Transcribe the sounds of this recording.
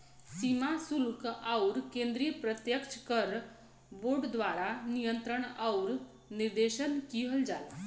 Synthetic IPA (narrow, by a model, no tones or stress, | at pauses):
simasulkawɾkẽnd̪ɾijəpɾət̪jəkt͡ʃʰkəɾ | boɾɖd̪ʋaɾanijənt̪ɾəɳawɾ | niɾd̪eɕənkiɦəld͡ʒala̰